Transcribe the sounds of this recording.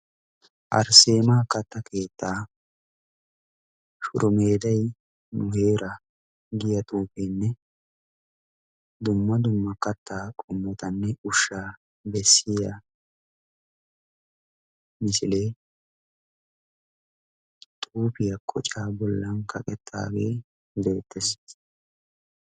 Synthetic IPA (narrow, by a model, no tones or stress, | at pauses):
ʔɐ̰ɾse̞ːmaːkɐt̪ːɐkʰe̞ːt̪ːaː | ʃʊ̰ɾʊme̞ːd̪ɐj | nʊheːɾʔɐ | ɡɪjɐt̪ʼuːpenːɛ | d̪ʊmːɐd̪ʊmːɐkɐt̪ːaːkʼʊmːɔt̪ɐnːɛʊʃːaː | bɛsːɪja | mɪsɪleː | t̪ʼuːpɪjɐkʼʰɔt͡ʃʼaːbɔlːɐnkɐkʼɛt̪ʰːa̰ːɡeː | d̪eːt̪ʰːɛs